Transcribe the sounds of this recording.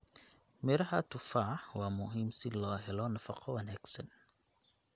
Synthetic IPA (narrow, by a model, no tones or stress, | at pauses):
mɛɾɐɦat̪ʊfaħwaːmʊɦiːmsilaːɦɛlɔnɐfɐqʰɔwɐnaksɐn